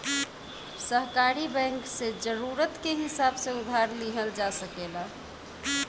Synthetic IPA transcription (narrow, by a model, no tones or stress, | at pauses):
səɦkaɾibɛ̃ŋksẽd͡ʒəɾuɾət̪keɦisabsẽud̪ʱaɾliɦəld͡ʒasəkela